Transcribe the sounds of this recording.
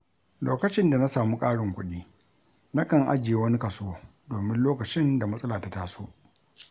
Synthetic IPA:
loː˦kɐ˨t͡ʃɪ˦nda˨na˦saː˨mu˦kʼaː˦ɽɪ˨ŋkʷʊ̰˦ɗiː˦ | na˦kɐ˨ŋʔa̰˦d͡ʒɪ˨je˦wɐ˦ni˦kɐ˨soː˦ | doː˨mɪ˦nloː˦kɐ˨t͡ʃɪ˦nda˨mɐ˦sʼɐ˦laː˨ta˦taː˦soː˦ʔ

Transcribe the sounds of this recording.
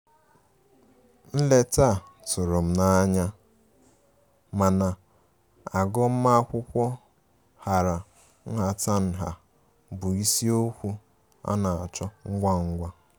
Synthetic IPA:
n̩˦le˦ta˦˨tʊ˨ɾʊ˨m̩˨na˦ɲa˦ | ma˨na˨ | a˨ɡɔ˦m̩˦ma˦kʷʊ˦kʷɔ˦ | ha˨ɾa˨ | n̩˦ɦa˨ta˦n̩˨ɦa˨ | bʊ˨i˦si˦o˦kʷu˦ | a̰˦na˨a˨t͡ʃɔ˦ŋ̩˦ɡʷa˦ŋ̩˦ɡʷa˦

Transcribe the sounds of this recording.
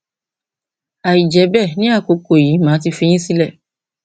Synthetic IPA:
a˨i˨d͡ʒɛ˨˦bɛ˦˨nĩ˦a˦˨ko˨˦ko˨ji˨˦mãː˨˦t̬i˧fĩ˧j̃ĩ˦si˦lɛ˦˨

